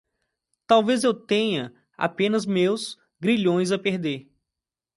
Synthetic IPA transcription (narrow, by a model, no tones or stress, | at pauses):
t̪awvezewt̪ẽɲɐ | a̰pẽnɐzmews | ɡɾiʎõj̃zɐpeɾd̪eɾ